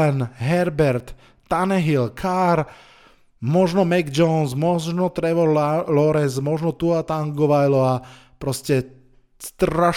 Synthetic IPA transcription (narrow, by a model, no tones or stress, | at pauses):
ɛnɦɛɾbɛɾt̪ː | anɛɦilkʰaɾ | mɔʒnɔmɛɡd͡ʒɔnsmɔʒnɔt̪ɾɛʋɔɾlɔɾɛnsmɔʒnɔt̪uat̪aŋɡɔʋajlɔa | pɾɔscɛ | st̪ɾaʃ